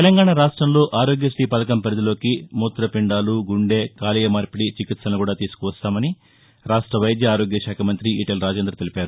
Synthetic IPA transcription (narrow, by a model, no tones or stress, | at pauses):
t̪elɐŋɡaːɳaɾaːʂʈɾɐmlo̞ːʔaːɾo̞ːɡjɐsʈiːpɐd̪ɐkɐmpɐɾɐd̪ilo̞ːkimuːt̪ɾɐpiɳɖaːluɡuɳɖeːkaːlijɐmaːɾpiɽit͡ʃikit̪sɐnukuːɽaːt̪iːsu̥kuʋɐst̪aːmɐni | ɾaːʂʈɾɐʋɐjɐd̪jɐaːɾo̞ːɡjɐʃaːkʰɐmɐnt̪ɾiiʈelɾaːd͡ʒe̞ːnd̪ɾɐt̪elipaːɾu